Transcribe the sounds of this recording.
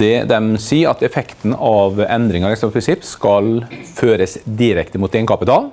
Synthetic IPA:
ɛd̪ɛmsiːɾɑ̰t̪ɛfɛkt̪n̩ɑʋɛnd̪ɾɪŋəɾɛksɔmpʰɾɪnsɪpːskɑlføːɾəsd̪ɪɾɛkt̪əmʊt̪ːeːnkɑpɪt̪ʰɑːl

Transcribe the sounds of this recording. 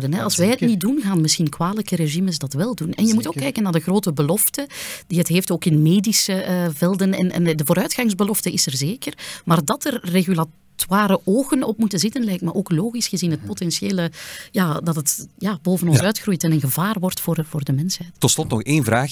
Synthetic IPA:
dənɦɛɑlˠsʋɛjətnit̚dunɣaːnmɪsxinkwaːləkəɾeʒiməsdɑtʋɛlˠdunɛ̰njəmutoːkːɛjkənːaːrdəɣroːtəbəlɔftəd̥iɦətɦeːftoːkɪnmeːdisəvɛlˠdənɛ̰nɛ̰ndəvoːɾœɥtxɑŋzbəlɔftəɪsɛrzeːkərmaːrdɑtərːeɣyla | twaːɾəʔoːɣənɔpmutənzɪtənlɛjktməʔoːkloːɣisxəzinɦət̚potɛnsjeːləjaːdɑtətjaːboːvənɔnsœɥtxrujtɛnənɣəvaːrʋɔrtfoːrvoːrdəmɛnsɦɛjttɔtslɔtnɔxeːnvɾaːx

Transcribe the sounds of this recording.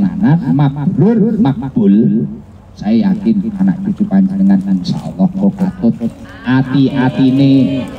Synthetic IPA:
ananmak̚b̥ulʊrmak̚b̥ʊl | saiakɪnana̰ʔkekupaɲd͡ʒənəŋaniŋsa̰o̰lɔhkokɔt̪ʊt̪̚ | ʔat̪iʔat̪ine

